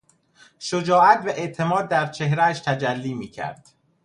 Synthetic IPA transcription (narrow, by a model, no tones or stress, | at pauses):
ʃod͡ʒɒːʔæt̪væʔe̞ʔt̪ʰe̞mɒːd̪̚ːæɾt͡ʃʰe̞ɦɾææʃt̪ʰæd͡ʒælːiːmiːcʰæ̰ɾd̪̥